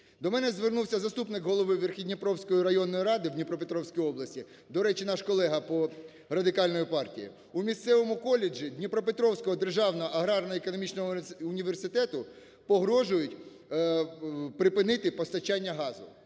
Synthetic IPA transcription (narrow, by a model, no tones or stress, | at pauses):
d̪ɔmɛnɛzʋernuwsʲɐzɐst̪upnɪkɦɔlˠɔʋɪʋerxʲidʲnʲipɾɔwsʲkɔjiɾɐjɔnːɔjiɾɑd̪ɪwd̪ʲnʲipɾɔpet̪ɾɔwsʲkijɔblˠɐsʲtʲi | d̪ɔɾɛt͡ʃinɑʃkɔlˠɛɦɐpɔ | rɐd̪ɪkɑlʲnɔjipɑrtʲijḭ | umʲist̪sɛʋɔmʊkɔlʲːɪd͡ʒid̪ʲnʲipɾɔpet̪ɾɔwsʲkɔɦɔd̪erʒɑwnɔɔʔɐɦɾɑrnɐekɔnɔmʲit͡ʃnɔɦɔːnʲiʋersɪt̪ɛt̪ʊ | pɔɦɾɔʒʊjʊtʲ | pɾɪpɪnɪt̪ɪpɔst̪ɐt͡ʃanʲːɐɦɑzʊ